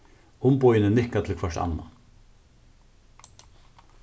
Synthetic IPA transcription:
ʊmpɔjnənɪhkat̪ʰɪlkʰvœʂt̪a̰nːa̰

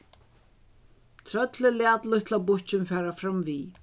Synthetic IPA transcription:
t̪ʰɾœt̪lɪlɪaːt̪lʊht̪ʰlabʊht͡ɕɪnfɛːɾafɾamviː

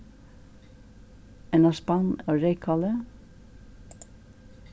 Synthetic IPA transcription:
ɛnɑspɑnoːɾeɪkʰɑlə

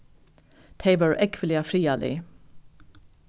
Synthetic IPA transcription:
t̪ʰeɪbəɹʔɛkʰʋəlɪɑfɾiːɑlḭː

